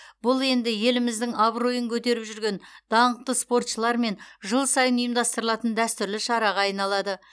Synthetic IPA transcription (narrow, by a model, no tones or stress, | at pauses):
bʊlˠe̞nd̪ɪje̞lɪmɪzd̪ɪŋɑbro̞jəŋkʲʰɵt̪e̞ɾɪpʒʏɾɡʲe̞nd̪̥ɑɴəq̚t̪əspo̞rt̪ʃəlˠɑɾme̞nʒəlˠsɑjənʊjəmd̪ɑst̪əɾəlˠɑt̪ənd̪æst̪ʏɾlɪʃɑɾɑʁɑɑjnɑlˠɑd̪ə